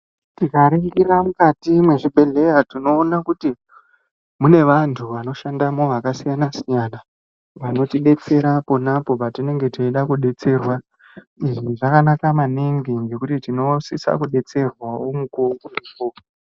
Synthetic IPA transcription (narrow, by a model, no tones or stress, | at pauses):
tikaɾeŋɡiɾamukatimwe̞ʐiɓʱe̞ɮe̞jatino̞ːnakuti | mune̞ʋantʰuʋano̞ʃandamo̞ʋakasijanasijana | ʋano̞tiɗe̞t͡se̞ɾapo̞napo̞patine̞ŋɡe̞teiɗakuɗe̞t͡se̞rwa | iʐiʐakanakamaniŋɡiŋɡe̞kutitino̞sisa̰kuɗe̞t͡se̞rwaomukoŋɡurikoːo